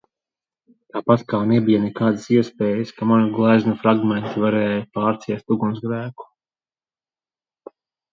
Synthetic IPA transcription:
t̪aːpat̪kaːnebijanɛkaːd̪asiɛspeːjəskamanuɡlˠajznufɾaɡment̪ivaɾɛːjapaːɾt̪siɛst̪uɡunzɡɾæːku̥

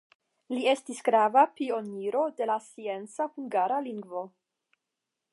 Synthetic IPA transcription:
lie̞stisɡɾavapio̞niɾo̞de̞lasie̞nt͡sahuŋɡaɾaliŋɡvo̞

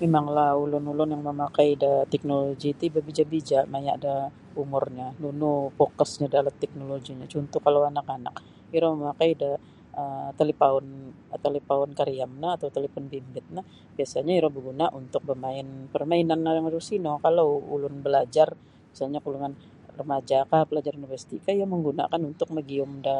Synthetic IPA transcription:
memaŋlahulʊnulʊnjaŋməmakajdat̪ɛk̚noloɡit̪ibabid͡ʒabid͡ʒaʔmajada | umʊrɲanunupokɔsɲadalat̪ːɛk̚noloɡiɲat͡ʃunt̪ɔhkalawanakana̰k | iɾɔməmakajda | əmt̪elepaʊnt̪elepaʊnkaɾiamnaːt̪awt̪elefɔnbimbɪt̪̚nah | b̥iasaɲaiɾɔhbəɡunaʔunt̪ʊk̚bəmaɪnpərmainanːajaŋɾusinokalawṵlʊnbəlad͡ʒar | bisalɲakuluŋan | rəmad͡ʒakapəlad͡ʒaɾunivərsi̥t̪ikaijaməŋɡuna̰kanunt̪ʊk̚məɡiʊmda

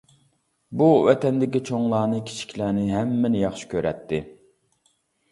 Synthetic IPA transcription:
buwɛt̪ʰɛnd̪ɪkʲit͡ʃʰoŋlˠɑːnɨkʲʰi̥t͡ʃʰi̥kʲlænɪɦɛmːɛnɪjɑχʃi̥kʲʰøɾɛt̪ʰːɪ

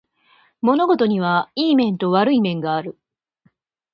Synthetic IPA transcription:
mo̞no̞ɡo̞t̪o̞ɲ̟iβ̞aiːmẽ̞nt̪o̞βaɾɯ̟imẽ̞ŋɡaːɾɯ̟

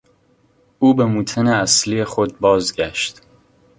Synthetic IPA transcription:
ʔuːbe̞muːt̪ʰeneæslijexod̪̚bɒːzɟæʃt̪

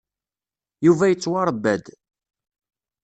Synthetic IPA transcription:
juvæjət͡sːwɑɾˤəbːæd̪

